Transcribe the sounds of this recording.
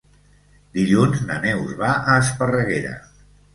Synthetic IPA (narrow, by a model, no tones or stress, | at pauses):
d̪iʎunznənɛwzβaʔəːspərəɣeɾə̰